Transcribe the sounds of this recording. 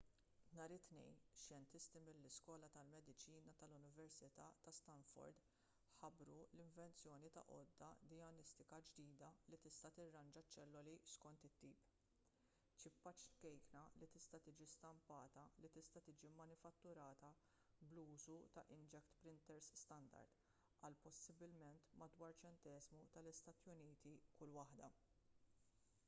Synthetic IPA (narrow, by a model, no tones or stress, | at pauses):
nɐːɾɪt̪nɛ̰jnʃjɛnt̪ɪst̪imɪlːɪskɔːlɐt̪ɐlmɛd̪ɪt͡ʃiːnɐt̪ɐlʊnɪvɛɾsɪt̪ɐːt̪ɐst̪ɐnfɔ̰ɾd̪ | ħɐbɾulɪɱvɛnt͡sjɔːnit̪ɐ̰ʔɔ̰d̪ːɐd̪ɪjɐnɪst̪ɪkɐd͡ʒd̪iːd̪ɐlit̪ɪst̪ɐt̪ɪrːɐnd͡ʒɐt͡ʃːɛlːɔliskɔnt̪ɪt̪ːiːp | t͡ʃɪpːɐt͡ʃkɛjknɐlit̪ɪst̪ɐt̪iːd͡ʒist̪ɐmpɐːt̪ɐlit̪ɪst̪ɐt̪iːd͡ʒimːɐnɪfɐt̪ːʊɾɐːt̪ɐ | bluːzut̪ɐʔɪnd͡ʒɛkt̪pɾɪnt̪ɛɾsːt̪ɐnd̪ɐ̰ɾd̪ | ɐlpɔsɪbɪlmɛnt̪mɐd̪wɐːɾt͡ʃɛnt̪ɛːzmut̪ɐlɪst̪ɐːt̪jʊniːt̪ikʊlːwɐħd̪ɐ